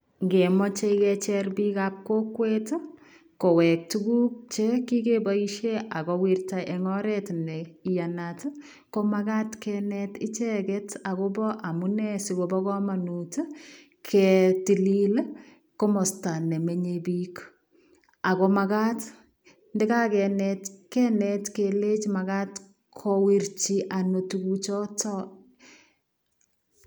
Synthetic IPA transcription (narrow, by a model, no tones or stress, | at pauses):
ŋɡemɔt͡ʃekɛt͡ʃɛrbikap̚kokwet | kowɛk̚tuɡuk̚t͡ʃekikebaiʃeakɔwiɾtaʔeŋɔɾɛtnɛijanat | komakatkɛnɛtɪt͡ʃɛkɛtakobɔʔamunɛsikobɔkɔmanut | kʰɛtilil | komɔstanɛmeɲebiːk | akomakat | ndɛkakɛnɛtkɛnɛtkelet͡ʃmakat | kʰɔwiɾt͡ʃiʔanotukut͡ʃɔtɔ